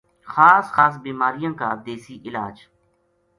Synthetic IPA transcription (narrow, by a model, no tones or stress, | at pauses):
xaːsxaːs̬biːmaːɾɪjãːka̰ːd̪eːsiːʔɪla̰ːd͡ʒ